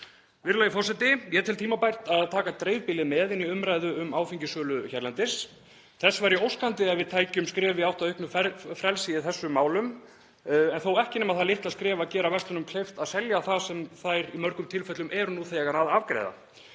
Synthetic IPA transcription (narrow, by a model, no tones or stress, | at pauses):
vɪɾlajɪfɔrsɛt̪ɪjɛt̪ʰɪlt̪ʰiːmapajɾ̥t̪aðt̪ʰaːkat̪ɾejvpɪlɪmɛðɪnːiʏmɾajðʏʏmaːwfiɲcɪsœːlʏçɛɾlant̪ɪs | θɛsvaɾjʏowskant̪ɪɛðvɪðt̪ʰaːjcʏmskɾɛːvɪawht̪aðœʏhknʏfɛfɾɛlsɪiθɛsːʏmaːwlʏm | ɛnθowɛhcɪnɛmaðθalɪht̪aðskɾɛːvacɛːɾavɛst̪lʏnʏmkʰlejft̪aðsɛljaθasɛmθajɾimœɾkʏmt̪ʰɪlfɛt̪lʏmʔɛɾʏnuθejɛɣaɾaðavkɾḛjða̰